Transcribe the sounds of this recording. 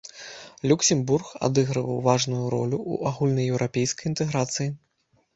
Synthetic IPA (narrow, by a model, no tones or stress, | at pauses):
lʲuksʲɛmburxa̰d̪ɨɣɾɨvɐ̰wvaʐnujuɾɔ̰lʲuʔṵʔaɣulʲnɐjɛwɾʔapʲejskɐjint̪ɛɣɾat̪sɨji